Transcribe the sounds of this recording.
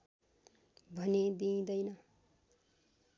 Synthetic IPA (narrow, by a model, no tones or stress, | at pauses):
bʱʌned̪ĩːd̪ʌjnʌ